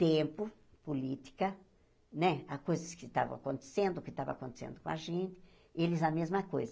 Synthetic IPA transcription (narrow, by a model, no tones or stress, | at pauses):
t̪ẽmpʊ | polit̪i̥kɐ | nɛakojzɐskɪt̪a̰vɐ̰̃akõnt̪e̥sẽnd̪ʊkɪt̪abɐ̰̃akõnt̪e̥sḛ̃nd̪ʊkõaʒẽnt̪ɪ̥ | elɪzɐmezmɐkojzɐ